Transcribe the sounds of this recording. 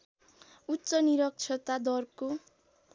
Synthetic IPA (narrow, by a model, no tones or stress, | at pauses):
utːsʌniɾʌk̚t͡sʰʌt̪ad̪ʌrko